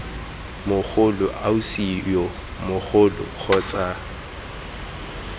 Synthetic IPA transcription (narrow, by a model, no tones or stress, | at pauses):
mʊk͡xʰʊlʊʔausijɔ | mʊk͡xʊlʊ̰k͡xʰɔt͡sʼa